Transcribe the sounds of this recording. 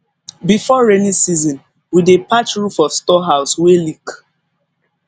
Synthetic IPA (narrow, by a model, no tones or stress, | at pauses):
bifɔɹemisizɔ̃n | widepat͡ʃɹufɔstɔɦaʊswelik